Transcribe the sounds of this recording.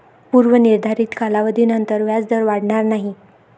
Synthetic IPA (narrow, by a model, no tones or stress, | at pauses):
puɾʋəniɾd̪ʱaɾiːt̪kalaʋəd̪ʱiːnənt̪əɾʋjad͡zd̪əɾʋaɽɳaɾnaɦi